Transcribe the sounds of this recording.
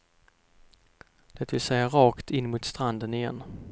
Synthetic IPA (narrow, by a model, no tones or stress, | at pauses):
d̪̥ɛt̪vɪlsɛjːaɾɑːkt̪ʰɪnːmʊːt̪st̪ɾand̪ənɪjɛ̰n